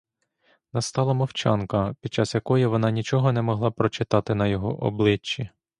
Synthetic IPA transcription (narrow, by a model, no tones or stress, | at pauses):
nɐst̪ɑlˠɐmɔwt͡ʃɑnkɐpʲid̪̚t͡ʃɑsjɐkɔjiʋɔnɑnʲit͡ʃɔɦɔnɛmɔɦlˠɑpɾɔt͡ʃɪt̪ɑt̪ɪnɐjɔɦɔ̰ʔɔ̰blˠɪt͡ʃːi